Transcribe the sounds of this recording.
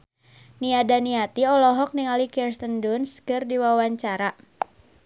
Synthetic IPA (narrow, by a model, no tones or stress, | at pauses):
niadaniat̪iɔlɔɦɔk̚niŋalikɛrst̪əndunskɨrdiwawaɲt͡ʃaɾa